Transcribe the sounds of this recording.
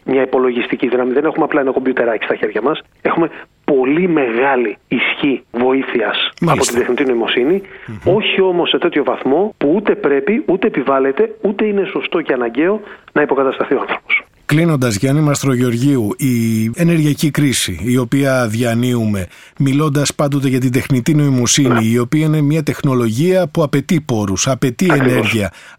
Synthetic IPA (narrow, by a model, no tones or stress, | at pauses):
mɲɐipo̞lo̞ʝist̪iciðinɐmiðe̞ne̞xumeɐplɐenɐko̞mbjut̪e̞ɾɐci̥st̪ɐçe̞ɾʝɐmɐs | e̞xume̞ | po̞lime̞ɣɐliːsçivo̞iθiɐsmɐpo̞t̪ind̪exnit̪ino̞imo̞sinio̞çio̞mo̞sːe̞t̪e̞t̪ço̞vɐθmo̞puut̪e̞pɾe̞piʔut̪e̞ːpivɐle̞t̪e̞ut̪e̞ine̞so̞st̪o̞ceɐnɐɲɟe̞o̞nɐipo̞kɐt̪ɐst̪ɐθio̞ɐnθɾo̞pos | klino̞nd̪ɐzʝɐnimɐst̪ɾo̞ʝeo̞ɾʝiuie̞ne̞ɾʝiɐcikɾisiːo̞piɐðʝɐniume̞ | milo̞nd̪ɐspɐnd̪o̞t̪̬e̞ʝɐt̪̬ind̪e̞xnit̪ino̞imo̞siniːo̞piɐine̞mɲɐt̪e̞xno̞lo̞ʝiɐpuɐpe̞t̪ipo̞ɾusɐpe̞t̪iɐeknɾeɾʝiɐ